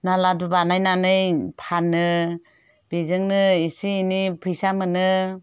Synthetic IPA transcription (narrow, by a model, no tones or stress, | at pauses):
naladubanajnanɯjpʰanːɯ | b̥ezɯŋnɯisiːnipʰɯjsamɯnɯ